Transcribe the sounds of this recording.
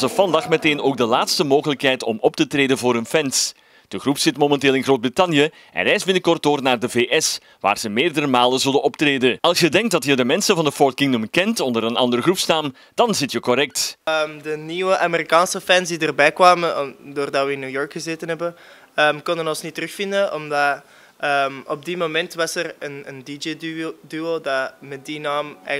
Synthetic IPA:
zəfɑndɑxmɛteːnoːɡ̚dəlaːtstəmoːɣələkɦɛjtɔmɔp̚tətreːdənvoːɾənfɛns | d̥əɣrupsɪtmomɛnteːlˠɪnɣroːd̚britɑnjə | ʔɛ̰nrɛjsbɪnəkɔrtdoːrnaːrdəveːʔɛs | ʋa̰ːrzəmeːrdəɾəmaːlənzɵldənɔptreːdənɑlˠsjədɛŋk̚dɑtjədəmɛnsənvɑndəfɔlkɪŋnumkɛntɔndəɾənɑ̰ndərɣrupsnaːm | d̥ɑnzɪtjəkɔɾɛk̚təmdəniwəʔameɾikaːnsəfɛnsdidərbɛjkwʋaːməndoːrdɑʋəɪnːujɔɹkxəzeːtənɦɛbən | əmkɔndənɔnsnitəɾɵxfɪndənɔmdɑ | əmɔb̚dimomɛntʋɑsərənəndid͡ʒedyodɑmɛt̚dinaːmɛ̰

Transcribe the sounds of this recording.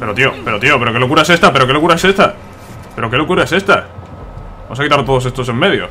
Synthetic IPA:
pe̞ɾo̞t̪iope̞ɾo̞t̪iope̞ɾo̞ke̞lokuɾaese̞st̪apeɾo̞ke̞lo̞kuɾaese̞st̪a | pe̞ɾo̞ke̞lokuɾae̞se̞st̪a | amsakit̪aɾt̪o̞ðose̞st̪o̞se̞mːe̞ðjo̰

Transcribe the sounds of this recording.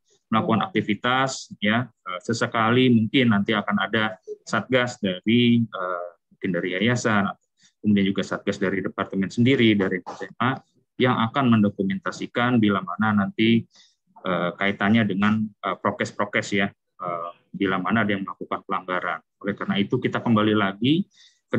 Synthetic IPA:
məlakukana̰k̚t̪ifit̪asjaəsəsəkalimuŋkɪnːant̪iakanadasat̪̚ɡasdaɾiəmuŋkɪndaɾiajasanat̪a | kəmudiand͡ʒuɡasat̪̚ɡasdaɾidəpart̪əmɛnsəndiɾidaɾinasɛmʔa | jaŋʔakanməndokumɛnt̪asikanbilamananant̪i | ʔəːkait̪aɲadəŋanəpɾokɛspɾokɛsja | əːmbilamanaːdajaŋməlakukanpəlaŋɡaɾa̰n | olɛhkarnait̪ukit̪akəmbalilaɡi | kə

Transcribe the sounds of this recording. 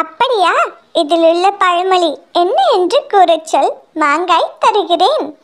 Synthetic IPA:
ɐpːɐɽijaː | iðɪluɭːɐpɐɻɐmɐɭienːɐendrɯkuːrɐt͡ɕːɐlmaːŋɡaːjt̪ɐrɯɣireːn

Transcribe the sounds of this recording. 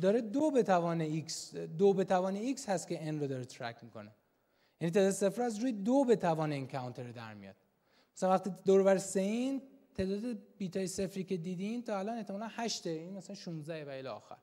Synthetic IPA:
d̪ɒːɾed̪obet̪ʰævɒːneiksd̪obe̞t̪ʰævɒːneiːkshæst̪kʲʰe̞inɾod̪ɒːɾet̪ʰɾæ̰kʰmiːkʰo̞̰ne | jænit̪ʰeːd̪ɒːd̪ese̞fɾæzɾuːjed̪obe̞t̪ʰævɒːneiːncʰæunt̪ʰeɾed̪æ̰ɾmḭjɒ̰ːd̪̥̚ | mmæsælænvæχt̪id̪oɾovæɾesein | t̪ʰe̞ːd̪ɒːd̪ebiːt̪ʰɒːjese̞fɾiːce̞d̪iːd̪iːnt̪ʰɒːælɒːne̞ht̪ʰːemɒːlænhæʃt̪einmæsælænʃuːnzd̪æhevæelɛ̰ːxæ̰ɾ

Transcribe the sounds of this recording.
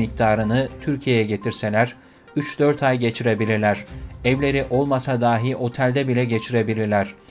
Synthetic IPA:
mic̚t̪ʰaːɾɯnɯt̪ʰyɾcʰijejɛɟe̞t̪ʰiɾse̞lʲæɾ̥ | yt͡ʃd̪øɾt̪ʰajɟe̞t͡ʃʰiɾe̞bilʲiɾlʲæɾ̥ɛvlʲe̞ɾiʔo̞lˠmasad̪aːɦiʔo̞t̪ʰælʲd̪ɛbilʲɛɟe̞t͡ʃʰiɾe̞bilʲiɾlʲæɾ̝̥

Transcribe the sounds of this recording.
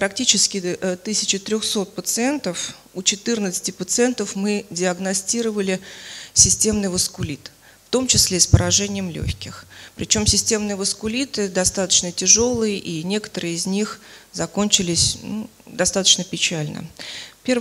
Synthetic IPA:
pɾɐktʲit͡ɕɪskʲɪt̪ɨsʲɪ̥t͡ɕɪt̪ɾʲo̞xso̞t̪̚pət̪sɨe̞nt̪əf | ut͡ɕɪt̪ɨrnət̪sɨ̥tʲɪpət̪sɨent̪əfmɨdʲɪɐɡnɐsʲtʲiɾəvəlʲɪsʲɪsʲtʲe̞mnɨjvəskʊlʲit̪ | ft̪o̞mt͡ɕɪsʲlʲespəɾɐʐɛnʲɪjəmlʲo̰xçʲkʲɪxpɾʲɪt͡ɕo̞msʲɪsʲtʲe̞mnɨjəvəskʊlʲit̪ɨd̪ɐst̪at̪ə̥t͡ɕnətʲɪʐo̞lˠɨjəʔinʲe̞kə̥t̪əɾɨjɪzʲnʲixzɐkonʲt͡ɕɪlʲɪsʲnṵ | d̪ɐst̪at̪ə̥t͡ɕnəpʲɪt͡ɕælʲnə̰pʲer

